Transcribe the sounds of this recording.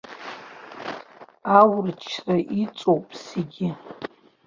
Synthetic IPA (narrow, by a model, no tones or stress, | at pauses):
awrɨt͡ʃʰraʔit͡sʼowpʼseɡʲɪ